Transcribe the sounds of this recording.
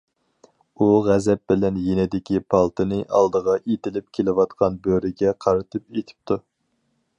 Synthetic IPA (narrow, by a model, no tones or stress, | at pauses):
uʁæzɛp̚bɪlɛnjenɪd̪ɪkʲipʰɑlˠt̪ʰɨnɨʔɑ̰lˠd̪əʁɑʔet̪ɪlɪp̚kʲʰelɪwɑt̪qʰɑnbøɾɪɡʲɛqʰɑɾɨt̪ʰɨpet̪ʰɪ̥p̚t̪ʰu